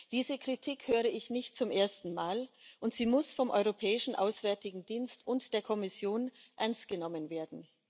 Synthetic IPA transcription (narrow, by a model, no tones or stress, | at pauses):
d̥iːzəkʁ̥itʰiːkhøːʁəɪçnɪçtt͡sʊmʔeːɐstn̩maːlʔʊntz̥iːmʊsfɔmʔɔ̰ʏʁopʰɛːɪʃn̩ʔa̰ʊsv̥ɛɐtɪɡŋ̩diːnstʊntd̥eːɐkʰɔmɪsjoːnʔɛɐnst̚ɡ̥ənɔmənveːɐdn̩